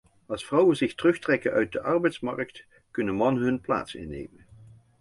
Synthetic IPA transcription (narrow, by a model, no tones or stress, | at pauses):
ɑlˠsfrɑwənzɪxtərɵχtrɛkənʔœ̰ɥt̚dəʔɑɹbɛjtsmɑ̰ɹkt | kɵnənmɑnəɦɵnpla̰ːtsɪ̰nːḛjmən